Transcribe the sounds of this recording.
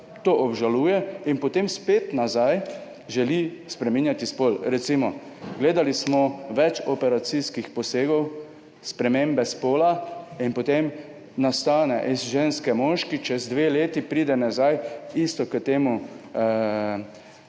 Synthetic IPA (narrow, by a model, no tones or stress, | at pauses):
t̪oʔɔbʒaluːjɛinpɔt̪emspet̪nazaj | ʒɛlispɾɛmiːnjat̪ispolɾɛt̪simɔ | ɡleːd̪alismɔʋɛt͡ʃɔpɛɾat̪siskixpɔseːɡɔw | spɾɛmembɛspoːlainpɔt̪em | nast̪aːnɛʔizʒenskɛmɔʃkit͡ʃɛzd̪ʋeleːt̪ipɾiːd̪ɛnazajist̪ɔkət̪eːmu